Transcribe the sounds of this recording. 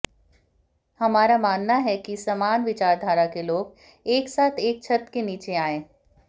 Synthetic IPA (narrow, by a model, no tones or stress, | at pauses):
hɐmaːɾamaːnːaɦɛkisɐmaːnʋɪt͡ʃaːɾd̪ʱaːɾakeloːɡ | eːksaːt̪ʰeːk̚t͡ʃʰɐt̪keniːt͡ʃeaːẽː